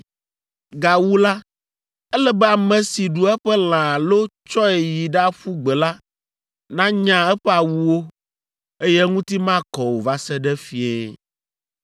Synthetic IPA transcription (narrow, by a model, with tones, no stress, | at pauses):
ɡa˨wu˦la˦ | ɛ˦lɛ˦bɛ˦a˨mɛ̃˨si˨ɖu˨ɛ˦ɸɛ˦l̃ã˨lo˦t͡ʃɔ˦ɛ˨ji˨ɖa˦ɸu˦ɡ͡bɛ˨la˦ | nã˦ɲã˨ɛ˦ɸɛ˦a˨wu˨wo˦ | e˦jɛ˦ŋũ˦t̪i˦mã˦kɔ˨wo˨va˦sɛ˦ɖɛ˦fi˦e˦